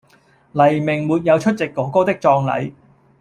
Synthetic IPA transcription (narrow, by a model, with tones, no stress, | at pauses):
lɐ˨˩jmɪ˨˩ŋmuː˨t̚jɐ˨˧wt͡ʃʰɵ˥t̚t͡sɪ˨kːɔː˨˥ko˥wt̪ɪ˥k̚t͡sɔː˧ŋlɐ̰˨˥j